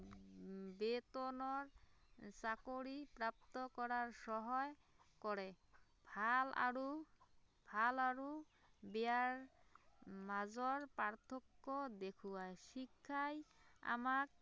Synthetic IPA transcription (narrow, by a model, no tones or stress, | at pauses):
bet̪ɔnɔɹsakoɹipɹap̚t̪ɔkɔɹaɹsɔɦɔj | kɔɹɛ | bʱala̰ɹu | bʱalaɹu | bɛaɹ | mazɔɹpaɹt̪ʰɔkːɔd̪ekʰuwajʃikʰːaja̰mak̚